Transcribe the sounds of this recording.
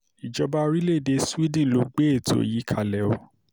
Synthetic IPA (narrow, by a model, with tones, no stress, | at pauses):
i˨d͡ʒɔ˨˦ba˦ɾi˦le˦˨de˨˦si˦dĩ˦˨lo˨˦ɡ͡be˦e˦˨to̰˦ji˨˦kʰa˦˨lɛ˨˦o˨˦